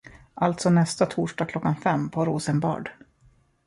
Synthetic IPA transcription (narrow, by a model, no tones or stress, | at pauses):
ʔalt̪sɔnɛst̪at̪ʰuːʂɖɑːɡkʰlɔkːanfɛmːpʰɔɾuːsənbɑ̰ːɖ